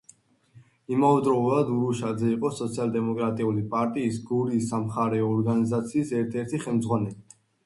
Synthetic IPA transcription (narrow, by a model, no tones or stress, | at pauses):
imavɛd̪ɾɔulˠad̪uɾuʃad̪zɛiqʼɔsɔt̪sʰialˠd̪ɛmɔkʼɾat̪ʼiulipʼaɾt̪ʼiːsɡuɾiːsːamχaɾɛɔːɾɡanizat̪sʰiːsɛɾt̪ʰɛɾt̪ʰiχɛlˠmd̪zʁwanɛli